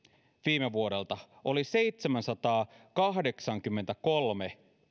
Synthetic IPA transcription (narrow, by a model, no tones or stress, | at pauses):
ʋiːmeʋuo̞ɾe̞lt̪ɑ | ʔo̞lise̞jt̪semænsɑt̪ɑːkɑɦde̞ksɑŋk̟ymːent̪æko̞lme